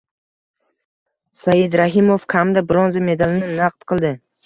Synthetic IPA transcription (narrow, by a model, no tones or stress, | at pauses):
sajɪd̪ɾaɦɪmofkʰamd̪abɾonzame̞d̪alɪnɪnaq̚t̪qʰɨlˠd̪ɪ